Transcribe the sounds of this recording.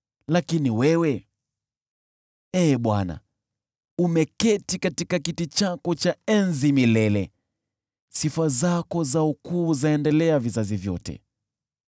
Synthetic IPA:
lakiniwɛwɛ | ɛːɓwana̰ | umɛkɛtikatikakitit͡ʃakɔt͡ʃaɛnzimilɛlɛ | sifazakɔzaukuːzaɛndɛlɛavizazivjɔ̰tɛ̰

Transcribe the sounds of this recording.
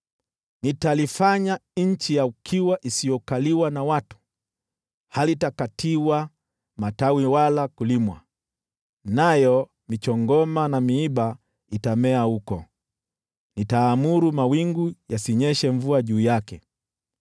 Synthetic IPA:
nitalifaɲaɲ̩t͡ʃijaukʰiwaʔisijɔkaliwanawatu̥ | halitakatʰiwa | matawiwalakulimwa̰ | najɔ | mit͡ʃɔŋɡɔmanamiiɓa | itamɛahukɔ̰ | nitaːmuɾumawiŋɡujasiɲɛʃɛɱvuaʄuːjakɛ

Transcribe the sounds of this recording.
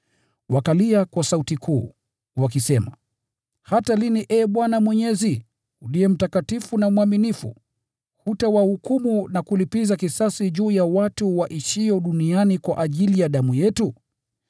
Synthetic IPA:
wakaliakwasautikʰuː | wakisɛma | hataliniʔɛːɓwanamwɛɲɛzi | uliɛm̩takatifunamwaminifṵ | hutawahukumunakulipizakisasiʄuːjawatuwaʔiʃiɔɗunianikwaʔaʄilijaɗamujɛtu

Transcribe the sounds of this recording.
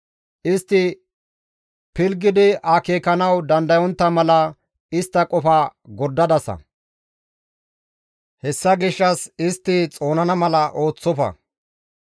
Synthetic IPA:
ʔɪst̪ːɪ | pɪlɡɪd̪ɪɐke̞ːkːɐnɐwd̪ɐnd̪ɐjɔnt̪ːɐmɐlɐ | ɪst̪ːɐkʼɔfɐɡɔɾd̪ːɐd̪ɐsɐ̰ | hɛsːɐɡɪʃːɐsɪst̪ːɪt͡sʼo̞ːnɐnɐmɐlɐʔo̞ːt͡sːɔfɐ̰

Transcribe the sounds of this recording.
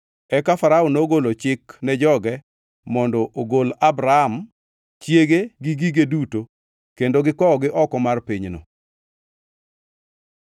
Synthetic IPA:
ɛkafaɾaunoɡolot͡ʃɪknɛd͡ʒɔɡɛ | mɔndɔʔoɡolabɾaam | t͡ʃjeɡeɡɪɡiɡeduto | kendoɡɪkɔɔɡɪʔɔkɔmarpiɲno̰

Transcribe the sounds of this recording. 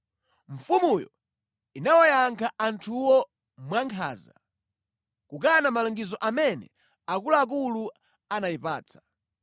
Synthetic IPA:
ɱ̩fumujɔ̰ | inawɔjaŋkʰaʔantʰuwɔ | mwaŋkʰa̰ːza | kuk̬anamalɔŋɡizɔʔamɛnɛ̰ | akulaːk̬ulu | anajipa̰ːt͡sʰḁ

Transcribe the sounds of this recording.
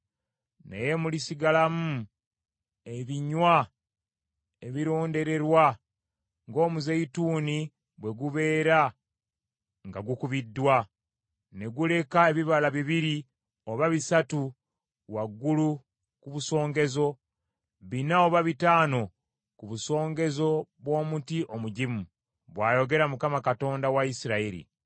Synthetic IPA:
nḛje̞mulisiɡalamu | eβiɲwa | e̞βiɾo̞ːnde̞ɾe̞ɾwa | ŋɡo̞ːmuzeituːni | βwe̞ɡuβe̞ːɾa | ŋɡaɡukuβidːwa | ne̞ɡule̞kae̞βiβalaβiβiɾi | oβaβisatu | waɡːulu | kuβuso̞ːŋɡe̞zo̞ | βinaoβaβitaːno̞ | kuβuso̞ːŋɡe̞zo̞βwo̞ːmutiʔo̞muɟimu | βwaːjo̞ɡe̞ɾamukamakato̞ːndawaisiɾaiɾḭ

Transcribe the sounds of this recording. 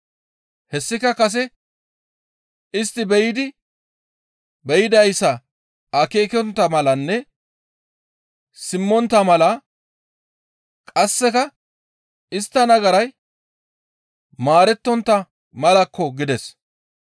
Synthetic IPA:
hɛsːɪkɐkɐs̬ɛ | ɪst̪ːɪbɛjɪd̪ɪ | bɛjɪd̪ɐjsːɐ | ʔɐke̞ːkɔnt̪ːɐmɐlɐnːɛ | sɪmːɔnt̪ːɐmɐlɐ | kʼɐsːɛkɐ | ɪst̪ːɐnɐɡɐɾɐj | maːɾɛt̪ːɔnt̪ːɐ | mɐlɐkːɔɡɪd̪ɛs

